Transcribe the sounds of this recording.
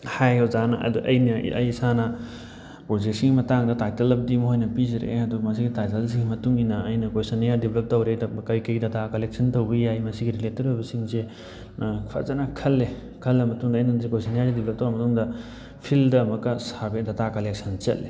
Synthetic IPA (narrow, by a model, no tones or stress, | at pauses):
hajozanɐ̰ɐ̰duʔɐ̰jnɐ̰ʔɐ̰jsanɐ | pɾozek̚siŋɡimɐtaŋdɐtajtɐlɐb̚dimɦojnɐpizɐɾḛɐduɡɐmɐs̬iɡitajtɐls̬iŋɡimɐtuŋinɐɐjnɐkojsɐnijaɾdibʱlɐp̚tɐwɾedɐkɐjkɐjɡidɐtakɐlek̚sʰɐntɐwbɐjajmɐsiɡiɾiletɐɾojbɐsiŋse | pʰa̰zanɐkʰɐlːe | kʰɐlːɐmɐtuŋdɐːjnansekojsanijaɾɡidiblɐp̚tɐwɾamɐtuŋdɐ | pʰildɐmɐkːɐsabedɐtakɐlek̚sʰɐnt͡ʃɐ̰llːe